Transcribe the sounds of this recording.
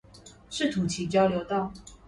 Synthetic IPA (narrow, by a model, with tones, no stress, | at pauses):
ʂɻ̩˥˩t̪ʰu˨˥t͡ɕʰi˧˥t͡ɕjɑ˥ʊljo˧˥ʊt̪ɑ˥˩ʊ